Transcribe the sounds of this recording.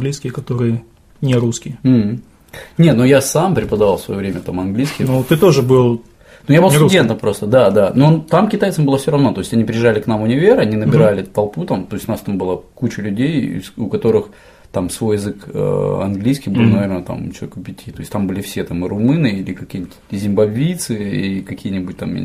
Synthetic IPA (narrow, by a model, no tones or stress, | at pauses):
nɡlʲijskʲɪjəkɐt̪o̞ɾɨjə | nʲɪɾuskʲɪjəm̩hm̩ | nʲet̪nojasampɾʲɪpəd̪ɐvalˠsvɐ̰jovɾʲemʲət̪amɐnɡlʲijskʲɪjnot̪ɨt̪oʐɨbɨlˠ | nojabɨlˠsdʲent̪əmpɾo̞st̪əd̪ad̪anont̪amkʲɪt̪ajt̪səmbɨlˠəfsʲoɾɐvno̞t̪o̞ɪsʲɐnʲipɾʲɪjɪʐːalʲɪknamʊnʲɪvʲeɾɐnʲinəbʲɪɾalʲɪt̪ɐlˠput̪amt̪o̞ɪsʲʊnast̪ambɨlˠəkut͡ɕɪlʲʉdʲej̰sʊkɐt̪o̞ɾɨx | t̪amsvo̞jɪzɨkə̰ɐ̰nɡlʲijskʲijbɨlˠnɐvʲernət̪a̰mt͡ɕɪlˠɐe̥kʊpʲɪtʲʰit̪o̞ɪsʲtʲt̪ambɨlʲɪfsʲe̞t̪amɨɾʊmɨnɨilʲɪkɐkʲinʲɪt̪ʲzʲɪmbɐvʲit̪sɨḭkɐkʲijənʲɪbʊt̚ʲt̪am̰